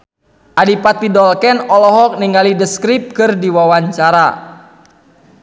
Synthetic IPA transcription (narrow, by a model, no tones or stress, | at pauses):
ʔadipat̪̚idɔlkɛnɔlɔɦɔk̚niŋɡalidəskɾip̚kɨrdiwawaɲt͡ʃaɾa